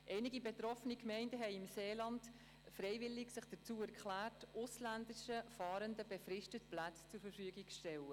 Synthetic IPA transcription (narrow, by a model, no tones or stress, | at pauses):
ʔɛɪnɪɡibetɾɔfənikmɛɪndəɦɛɪɪmseːlɑnt | fɾɛɪvɪlːɪɡsɪχd̥ət͡suːɛɾkχlæːtʔʊslændɪʃəfɑːɾəndəbefɾɪʃtət̚plat͡st͡sʊfəɾfyːɡɪɡʃtɛlə